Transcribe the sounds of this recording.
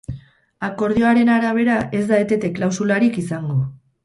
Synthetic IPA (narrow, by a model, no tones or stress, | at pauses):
ako̞ɾð̞io̞aɾe̞naɾaβ̞e̞ɾaʔe̞zd̪aet̪e̞t̪e̞klawsulaɾikisaŋɡo̞